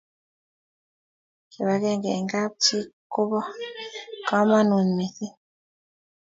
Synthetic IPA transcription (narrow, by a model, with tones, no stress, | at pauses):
ke˨βa˨˦kɛ˦˨ŋɡe˨ŋɡa˦p̚t͡ʃi˦ko˦bɔ˦ | kɔ˦ma˦nu˨nmi˨ki˦